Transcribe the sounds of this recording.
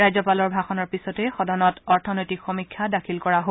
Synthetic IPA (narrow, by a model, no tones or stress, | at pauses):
ɹajzɔpalɔɹbʱaxɔnɔɹpisɔtɛxɔdɔnɔtɔɹtʰɔnojtikxɔmikʰːadakʰilkɔɹaɦo